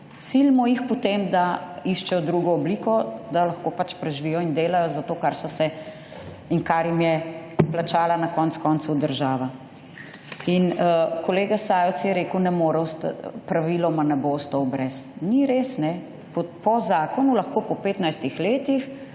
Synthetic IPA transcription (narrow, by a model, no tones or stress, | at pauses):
silmɔjixpɔt̪emd̪aiʃt͡ʃɛjɔd̪ɾuɡɔːbliːkɔd̪alɐxkoːpat͡ʃpɾɛʒʋiːjɔind̪eːlajɔzat̪oːkaɾsɔsɛ | iŋkaɾjimjɛplat͡ʃaːlanakɔnt̪skɔnt̪sud̪əɾʒaːʋa | inkɔleːɡasaːjɔt͡s̪jɛɾeːkəwnɛmoːɾɛwst̪pɾaʋilɔmanɛbost̪owbɾɛsniɾeːsnɛ | pɔpɔzaːkɔnulɐxkoːpɔpeːt̪najst̪ixleːt̪ix